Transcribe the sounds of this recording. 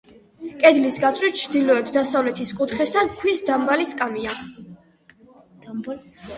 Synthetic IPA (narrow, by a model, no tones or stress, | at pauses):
kʼɛd̪lisɡat̪sʼwit̪̚t͡ʃʰd̪ilɔɛt̪ʰd̪asavlɛt̪ʰiskʼut̪ʰχɛst̪ʰankʰwisd̪ambaliskʼamia